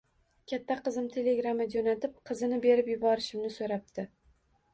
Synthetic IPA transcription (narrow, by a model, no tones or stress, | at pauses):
kʲʰat̪ʰːaqɨzɪmt̪ʰe̞le̞ɡɾamad͡ʒonat̪ɪp̚qʰɨzɪnɪbe̞ɾɪpjʊbɒɾɪʃɪmnɪsoɾap̚d̪ɪ